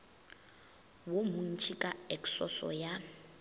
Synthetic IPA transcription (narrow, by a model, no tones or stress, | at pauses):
womun̩t͡ʃʰʼikʼaɛksɔsɔ̰ja